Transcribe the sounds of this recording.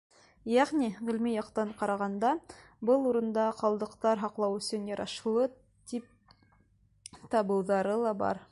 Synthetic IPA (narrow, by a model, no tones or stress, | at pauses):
jæʁniʁɘ̆lmijɑqt̪ɑɴqɑɾɑʁɑnd̪ɑ | bɤlˠuɾɤ̆nd̪ɑqɑlˠd̪ɤ̆qt̪ɑɾɦɑqlˠɑwɵ̆sɵnjɑɾʔɑ̰ʃlˠɤ | t̪ip̚ | t̪ɑbɤ̆wðɑɾɤlˠɑbɑ̰ɾ